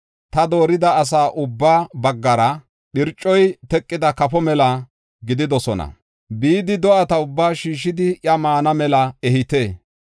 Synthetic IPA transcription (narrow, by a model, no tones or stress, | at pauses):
t̪ɐd̪o̞ːɾɪd̪ɐːs̬aːʔʊbːaːbɐɡːɐɾɐ | ɗɪɾt͡ʃʼːɔjt̪ɛkʼːɪd̪ɐkɐfɔmɛlɐ | ɡɪd̪ɪd̪ɔsɔnɐ̰ | biːd̪ɪd̪ɔʔɐt̪ɐʊbːaːʃiːʃːɪd̪ɪʔjɐmaːnɐmɛlɐɛhɪt̪eː